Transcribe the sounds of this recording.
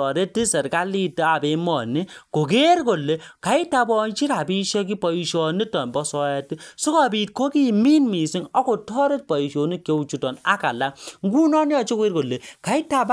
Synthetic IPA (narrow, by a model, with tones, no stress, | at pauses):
ɔ˨ɾe˦ti˦sɛ˨ɾka˦li˦te˦a˨be˨˦mɔ˨ni˦ko˨ke˦ɾko˨lːe˨˦ka˨i˦ta˨bɔ˦nt͡ʃi˦ɾa˨bi˦ʃe˦k̬i˦pɔ˨i˨ʃɔ˨ni˦tɔ˨nbɔ˦sɔ˦jɛ˦ti˦so˦ka˦˨bi˨t̚ko˦ki˦˨mi˦nmi˨si˦ŋɔ˦ko˨tɔ˦ɾe˦t̚pɔ˨i˨ʃo˨ni˦ke˦u˨t͡ʃu˨tɔ˨na˦ka˨la˦ŋɡu˦nɔ˦nja˨t͡ʃe˦ke˦ɾko˨lːe˨ka˨i˦ta˦b